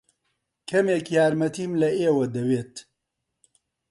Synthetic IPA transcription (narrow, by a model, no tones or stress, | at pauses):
kʰɐmeːkjaːɾmɐt̪iːmlɐeːwɐd̪ɐweːt̪